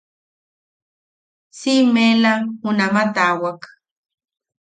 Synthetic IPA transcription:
simelahʊnamat̪aːwak

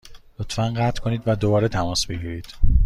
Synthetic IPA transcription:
lot̪fænɢæt̪ʰkʰo̞niːd̪væd̪obɒːɾet̪ʰæmɒːsbe̞ɡiːɾiːd̪̥

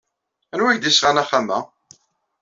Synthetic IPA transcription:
ænwæçd̪isʁænæχːamæ̰

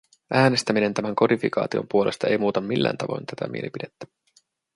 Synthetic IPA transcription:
ʔæːne̞st̪æmine̞nt̪æmæŋko̞difikɑ̰ːt̪io̞̰mpuolʔe̞st̪ɑe̞jmuːt̪ɑmmːilːæ̰ːnt̪ɑʋo̞jnt̪æt̪æ̰mḭelipide̞t̪ːæ̥

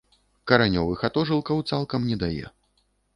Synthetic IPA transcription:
kɐɾanʲɔvɨxat̪ɔʐɨlˠkɐwt̪salˠkɐmnʲɛd̪ajɛ̰

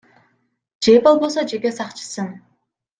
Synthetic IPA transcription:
d͡ʒe̞po̞lˠbo̞so̞d͡ʒe̞ke̞sɑqt͡ʃʰɯ̥sɯn

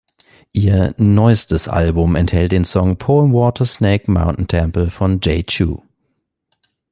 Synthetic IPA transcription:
ʔiːɐnɔʏstəsʔa̰lbʊmɛ̰nthɛlt̚d̥eːnsɔŋpʰɔːnwɔːtʰɐsneɪkmã̰ʊ̃nʔn̩tʰɛmpl̩fɔ̃nd͡ʒeɪt͡ʃṵː

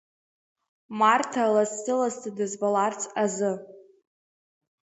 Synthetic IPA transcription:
martʰalastɨlastʰadɨzbalart͡sʼazɨ

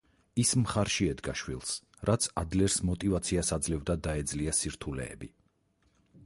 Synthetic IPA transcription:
ismχaɾʃiɛd̪ɡaʃwilˠs | ɾat̪sʰad̪lɛɾsmɔt̪ʼivat̪sʰiasad̪zlɛvd̪ad̪aɛd̪zliasiɾt̪ʰulɛ̰ɛ̰bi

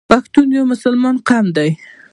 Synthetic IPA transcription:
bakt̪unjomʊsʊlmɑnqʰamd̪aj

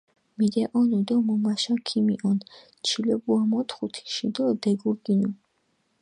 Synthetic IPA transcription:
mid̪ɛʔɔnud̪ɔmɔmaʃakʰimiʔɔn | t͡ʃʰilɛbuamɔt̪ʰχut̪ʰi̥ʃid̪ɔd̪ɛɡuɾɡinu

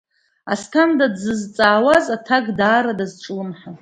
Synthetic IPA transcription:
astʰamdadzɨzt͡sʼaːwazatʰaɡdaːɾadazʈ͡ʂʼɨlɨnħa

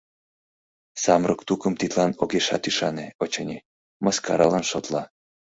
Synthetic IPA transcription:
sɑmrokt̪ukəmt̪it̪lɑnoɣeʃɑ̰t̪yʃɑneot͡ɕɤnʲi | məskɑɾɑlɑnʃot̪lɑ

